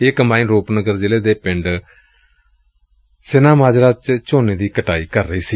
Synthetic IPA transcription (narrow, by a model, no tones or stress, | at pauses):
ɪkmaːiːnɾoːpnəɡəɾd͡ʒeːleːd̪eːpɪ̃ɳɖ | seːnãːmaːd͡ʒɾaːt͡ʃt͡ʃoːneːd̪iːkəʈaːiːkəɾːəiːsiː